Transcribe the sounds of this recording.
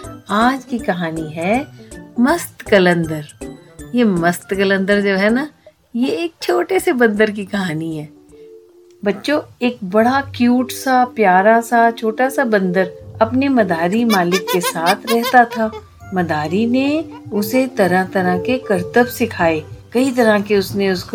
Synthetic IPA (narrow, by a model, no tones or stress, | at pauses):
aːd͡ʒkikɐɦaːniɦɛ | məst̪kɐlə̃nd̪əɾjeməst̪kɐlə̃nd̪əɾd͡ʒoːɦɛna | jeeːk̚t͡ʃʰoːʈesebɐ̃nd̪əɾk̬ikɐɦaːniɦɛː | bɐtːʃoeːk̚bɐɽakjuːʈsapjaːɾasat͡ʃʰoːʈasabɐ̃nd̪əɾɐpnemɐd̪aːɾimaːlɪkːesaːt̪ʰɾɛɦt̪at̪ʰaː | mɐd̪aːɾine | ʊset̪ɐɾãt̪ɐɾãkekɐɾt̪əbsɪkʰaːeːkɐit̪̬ɐɾãkeʊsneʊsko